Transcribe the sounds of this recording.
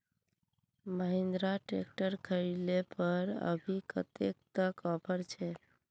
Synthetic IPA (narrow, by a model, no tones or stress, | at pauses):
məɦẽnd̪ɾaʈḛk̚ʈəɾkʰəilepəɾə̰bʱikə̰t̪ek̚t̪əkɔpəɾt͡ʃʰɛ